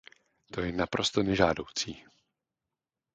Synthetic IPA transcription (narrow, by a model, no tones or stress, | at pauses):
t̪ojɛnapɾo̞st̪onɛʒaːdo̞wt͡siː